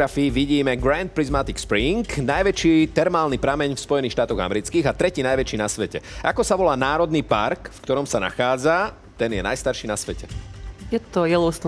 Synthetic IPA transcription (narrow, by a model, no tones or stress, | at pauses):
ɾafiːʋiɟiːmɛɡɾant̪̚pɾizmat̪ikspɾiŋknajʋɛt͡ʃiːt̪ɛɾmaːlnipɾamɛɲfspɔjɛniːxʃt̪aːt̪ɔɣa̰mɛɾit͡skiːɣat̪ɾɛciːnajʋɛt͡ʃiːnasʋɛcɛ̰ʔakɔsaʋɔlaːnaːɾɔd̪niːpaɾkfkt̪ɔɾɔmsana̰xaːd͡za | t̪ɛnjɛna̰jst̪aɾʃiːnasʋɛcɛjɛt̪ɔjɛlɔʊst̪